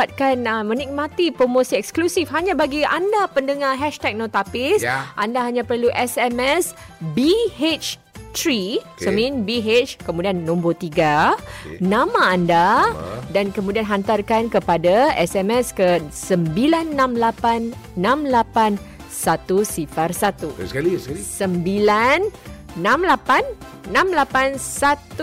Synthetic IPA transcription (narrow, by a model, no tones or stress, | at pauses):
at̪̚kanmənik̚mat̪ipɾomõsiɛksklusifɦaɲãbaɡiandapəndəŋaɦɛʃt̪ɛk̚nõt̪apɪsʔandaɦaɲãpərluʔɛsɛmɛs | bihet͡ʃ | t̪ɾisomĩnbiɦet͡ʃkəmudianːõmbot̪iɡa | nãmãːndadankəmudianɦant̪arkankəpadaɛsɛmɛskəsəmbilanːãmlapanːãmlapan | sat̪usifarsat̪u | səmbilanːãmlapanː | ãmlapansat̪u